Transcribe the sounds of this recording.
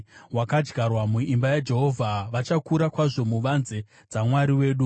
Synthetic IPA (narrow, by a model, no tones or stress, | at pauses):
wakad͡ʒɡʱarwamuimbajad͡ʒe̞ɦo̞vʱaʋat͡ʃakuɾakwaʐo̞muʋanze̞ | d͡zamwaɾiwe̞ːɗu